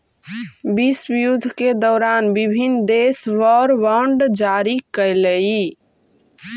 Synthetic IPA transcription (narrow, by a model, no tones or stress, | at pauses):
bisbijud̪ʱked̪ɔːɾanbibʱinːd̪esʋəɾʋəɳɖd͡ʒaɾikəjlei